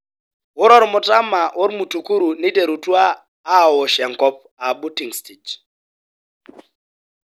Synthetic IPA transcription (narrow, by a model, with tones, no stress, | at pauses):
ɦu˦ɾɔ˦ɾi˨mu˨ta˦ma˨ʔu˦ɾi˦mu˨tu˨ku˦ɾu˨ni˦de˨ɾu˨tu˦aː˦˨ | wɔ˨ʃɛ˨ŋkɔ˦p | a˨ɓu˦ti˨ŋstʰid͡ʒ